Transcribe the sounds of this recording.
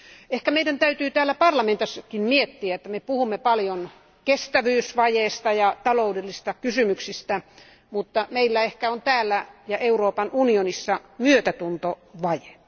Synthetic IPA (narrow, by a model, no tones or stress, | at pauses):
ehkæmeidænt̪æyt̪yːt̪æːlːæpɑrlɑment̪ɑsːɑkimmiet̪ːiæet̪ːæmepuhumːepɑljon | kest̪æʋyːsʋɑjeːst̪ɑjɑt̪ɑloudelːisst̪ɑkysymyksist̪æ | mut̪ːɑmeilːæehkæont̪æːlːæjɑʔeuroːpɑnunionisːɑmyøt̪æt̪unt̪oʋɑje